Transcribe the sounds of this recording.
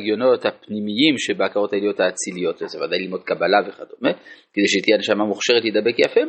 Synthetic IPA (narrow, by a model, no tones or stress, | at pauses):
ɡjo̞no̞t̪hapnimijimʃebeakaʁo̞t̪hajelijo̞t̪haːt͡silijo̞t̪ezevad̪ajlilmo̞d̪̚kabalaveχad̪omekede̞jʃeit̪janʃamamuχʃe̞ʁet̪lid̪abe̞kjafe